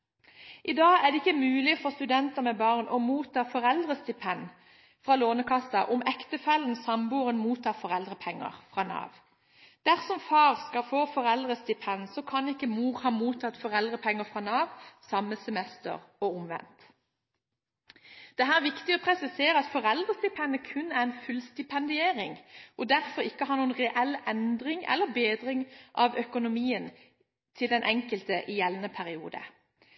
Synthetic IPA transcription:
ʔɪd̪ɑːæʁd̪ɛɪkːəmʉːlɪfɔʁst̪ʉd̪ɛnt̪əʁmɛbɑːʁnʔɔmuːt̪ʰɑːfɔʁɛld̪ʁəst̪ɪpʰɛn | fʁɑːloːnəkʰɑsɑʔɔmɛkt̪əfɛlən̩sɑmbuːʁənmuːt̪ʰɑːfɔʁɛld̪ʁəpʰɛŋːə̰ʁfʁɑːnɑ̰ːʋ | d̪̥æʁsɔmfɑːʁskɑlfoːfɔʁɛld̪ʁəst̪ɪpʰɛnsɔkʰɑnɪkːəmuːʁhɑːmuːt̪ʰɑt̪fɔʁɛld̪ʁəpʰɛŋːəfʁɑːnɑːʋsɑmːəsɛmɛst̪ə̰ʁɔʊmʋɛ̰nt̪ | d̪̥ɛɦæːʁʋɪkt̪ɪɔpʰʁɛsɪseːɾəɑt̪fɔʁɛld̪ʁəst̪ɪpʰɛnəkʰʉnːæʁɛnfʉlst̪ɪpʰɛnd̪ɪeːɾɪŋʔɔd̪æʁfɔɾɪkːəɦɑɾnuːənʁɛʔɛlɛnd̪ʁɪŋɛ̰lːəbeːd̪ʁɪŋʔɑʋœkʊnʊmiːən | t̪ʰɪld̪ɛnʔɛŋkəlt̪əʔɪjɛlnəpʰæʁɪṵːd̪ə̰

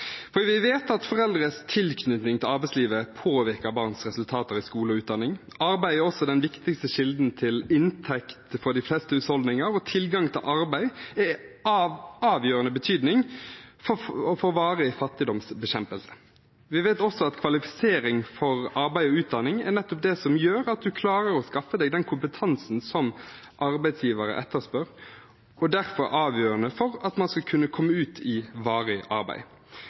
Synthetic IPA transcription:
fɔɾiʋɪʋeːt̪ɑt̪fɔʁɛld̪ɾəst̪ʰɪlkʰnʏt̪nɪŋt̪ʰɪlɑɾʁbæɪsliːʋəpʰoːʋɪɾkəbɑːʁnsʁɛsʉlt̪ʰɑːt̪əɾɪskuːləɔʉːt̪d̪ɑnɪŋ | ɑɾbæɪɛɔsɔd̪ɛnʋɪkt̪ɪkst̪əʃɪld̪n̩t̪ʰɪlɪnt̪ʰɛkt̪fɔɖ̪ɪflɛst̪əʉt̪hɔld̪nɪŋəɾɔt̪ʰɪlɡɑŋt̪ʰɪlʔɑɾbæɪɛ | ɑːʋjøːɾənəbət̪ʰyːd̪nɪŋfɔfoʋɑːɾəɪfɑt̪ːɪd̪ɔmsbəɕɛmpəlsə̥ | ʋɪʋeɪt̪ɔsɔɑt̪kʰʋɑlɪfɪ̥seːɾɪŋfɔɾɑɾbæɪɔʉːt̪̚d̪ɑnɪŋɛ̰ʁnɛt̪ːɔp̚d̪ɛsɔmjøːɾɑt̪̚d̪ʉkʰlɑːɾəɾɔskɑfəd̪ɛɡd̪ɛnkʰʊmpət̪ʰɑnsn̩sɔm | ʔɑɾbæɪd̪sjiːʋəɾə̰ʔɛt̪ːəspœʁ | ɔd̪æʁfɔɾʔɑːʋjøːʁənəfɔʁɑt̪mɑnskɑkʰʉnːəkʰɔmːəʉːt̪ʰɪʋɑːʁəʔɑ̰ɾbæ̰ɪ

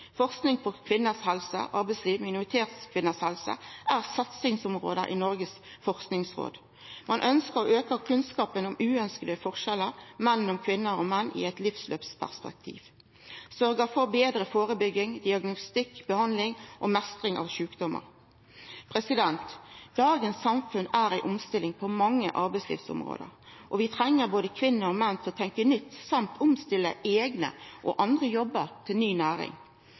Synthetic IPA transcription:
fɔʁsknɪŋpʰɔkʰʋɪnːəshɛlsə̰ʔɑʁbæɪsliːʋmɪnʊʁɪt̪ʰeːt̪skʰʋɪnːəshɛlsə̰ʔæːʁsɑt̪sɪŋsʊmʁo̰ːd̪ə̰ʔḭːnɔʁɡəs | fɔʁsknɪŋsʁo̰ːd̪ | mʔɑnʔœnskəʁɔʔøːkəʁkʰʉnskɑːpənʊmʉːœnskəd̪əfɔʁʃɛləʁmɛnn̩ʊmkʰʋɪnːəʁoːmɛnːʔɪ̰ɛt̪lɪfslø̰ːpspʰæ̰ʁspɛ̰k̚t̪ʰḭːʋ | sœʁɡəfɔʁbeːd̪ɾəfoːʁəbʏɡɪŋd̪ɪɑɡnʊst̪ɪkbəhɑnd̪lɪŋʔɔmɛst̪ɾɪŋʔɑ̰ːʋʃʉːkd̪ɔmə̰ɾ | pʰʁɛsɪd̪ɛnt̪d̪ɑːɡənsːɑmfʉnæːɾæɪʔʊmst̪ɪlɪŋpʰɔmɑŋːə̰ʔɑɾbæɪslɪ̰ːfsʊ̰mʁo̰ːd̪ə̰ɾ | ʔɔʋɪt̪ʰɾɛŋːəɾboːd̪əkʰʋɪnːəɾɔmɛnt̪ʰɔt̪ʰɛŋkənʏt̪ːsɑmt̪ʰʊmst̪ɪlːəeːɡnə̰ʔɔ̰ʔɑnd̪ʁəjɔbːəɾt̪ʰɪlnyːnæːɾɪ̰ŋ

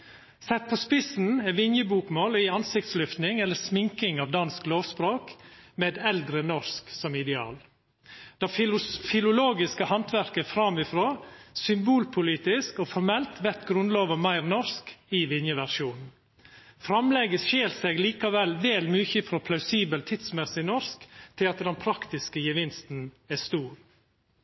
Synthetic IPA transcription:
sɛt̪̚pʰɔspɪsn̩ɛʋɪnjəbuːkmoːlɪɑnsɪk̚t̪slʏft̪nɪŋɛlːəsmɪŋkɪŋɑʋd̪ɑnskloːʋspɾoːkmeːd̪ɛld̪ɾənɔɾsksɔmɪd̪ɛɑ̰ːl | d̪̥ɑfɪlʊloːɡɪskəhɑnt̪ʋæɾkəfɾɑmɪfɾoːsʏmbuːlpʰʊliːt̪ɪskoːfɔɾmɛlt̪ʋɛɾt̪ɡɾʉnloːʋəmæɪɾnɔɾskɪʋɪnjəʋæɾʂuːnn̩ | fɾɑmlɛɡəsʃeːlseɡliːkɑʋɛlːʋɛlmyːçəfɾɔːpʰlɑʉsiːbəlt̪ʰɪd̪smɛsɪnɔɾskt̪ʰɪlɑt̪d̪ɛnpʰɾɑkt̪ɪskəjəʋɪnst̪n̩ | æst̪uːɾ

